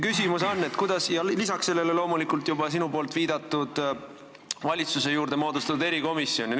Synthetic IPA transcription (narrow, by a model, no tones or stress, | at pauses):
kysʲimuso̞nːe̞t̪kujd̪̥ɑsjɑlisɑkse̞lːe̞le̞lo̞ːmulikˑult̪jubɑs̬inupo̞ːlt̪viːd̪̥ɑt̪ːˑud̪̥ | vɑlʲit̪suse̞juːɾd̪̥e̞mo̞ːd̪ust̪ɑt̪ud̪e̞ɾiko̞misːjo̞ni